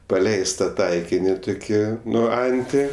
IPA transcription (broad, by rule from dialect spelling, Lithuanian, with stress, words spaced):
pɐˈlʲɛɪstɐ ˈtɐɪkʲɪnʲɪ ˈtʊkʲɪ ˈnʊ ˈɐnʲtʲɪ